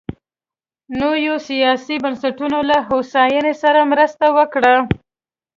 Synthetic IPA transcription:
nojosijɑsibansaʈunolaɦosɑjənesaɾamɾəst̪awəkɽa

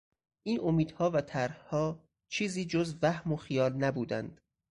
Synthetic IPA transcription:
ʔiːnʔomiːd̪̥hɒːvæt̪ʰæɾhhɒː | t͡ʃʰiːziːd͡ʒozvæhmoxijɒːlnæbuːd̪æ̰nd̪̥

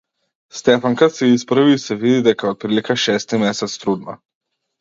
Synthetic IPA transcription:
st̪ɛfaŋkat̪sɛispɾvisɛvid̪id̪ɛkaɔt̪̚pɾilikaʃɛst̪imɛsɛt̪st̪ɾud̪ma̰

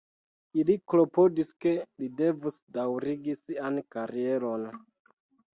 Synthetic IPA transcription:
iliklo̞po̞diske̞lide̞vusdawɾiɡisiankaɾie̞lo̞n

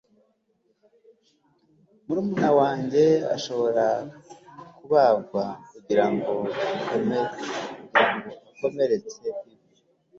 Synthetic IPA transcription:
muɾuːmunawaːɲɟe̞a̰ʃo̞βo̞ɾa | kuβabɡwakuɟiɾaŋɡo̞ikomekuiɾaŋɡoiko̞me̞ɾe̞t͡se̞iβi

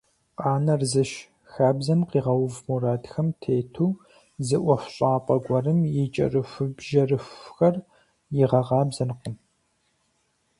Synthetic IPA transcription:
qʼɑːnɐrzɨʃ | xaːbzɐnqiːʁɐwʊvmuɾaːdxɐmtʰeːtʰuː | zɨʔʷɔfʷɕʼaːpʼɐɡʷɐrɨmjɛt͡ʃʼɐ̰rɨfɨbʒɐrɨfxɐr | jɪʁɐʁɑːbzɐnqən

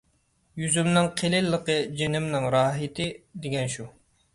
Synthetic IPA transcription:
jyzymnɪŋqʰelɪlːəqəd͡ʒenɪmnɪŋɾɑːɦɪt̪ʰɪd̪eɡʲɛnʃu

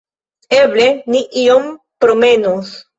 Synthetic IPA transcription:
e̞bleniʔio̞m | pɾo̞me̞nos

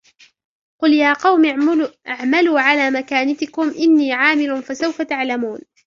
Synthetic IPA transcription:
qʊljaːqɑwmʔaʕmaluːʕalaːmakaːnat̪ɪkʊmʔɪnːiːʕaːmɪlʊfasawfat̪aʕlamuːn

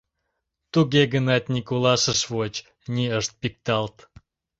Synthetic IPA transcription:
t̪uɡeɡənɑt̪̚ʲnʲikulɑʃəʃβot͡ɕ | nʲiəʃt̪̚pik̚t̪ɑlt̪

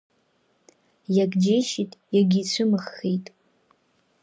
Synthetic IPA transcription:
jaɡd͡ʒejʃitʼjaɡʲit͡ɕʷʰɨmɨχːejtʼ

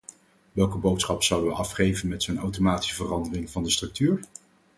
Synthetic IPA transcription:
ʋɛlˠkəbowtsχɑpsɑwdəʋəʔɑfχejvənmɛtsonawtomaːti̥səvərɑndərɪŋvɑndəstrɵk̚tyːɹ

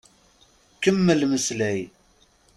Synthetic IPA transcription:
kəmːəlməslæj

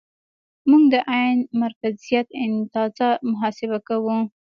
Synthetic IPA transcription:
muŋɡd̪əʔajnmaɾkazijat̪ɪnt̪ɑzamʊɦɑsɪβakawu

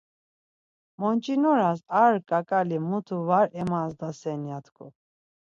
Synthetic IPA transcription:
mɔnt͡ʃʼinɔɾasaɾkʼakʼalimut̪ʰuvaɾɛmazd̪asɛnjat̪ʰkʰʼṵ

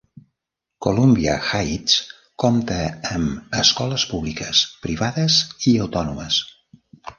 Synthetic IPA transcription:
kolumbiə̰xajs | kɔmt̪əəməskɔləspuβlikəspɾiβaðəziəwt̪ɔnuməs

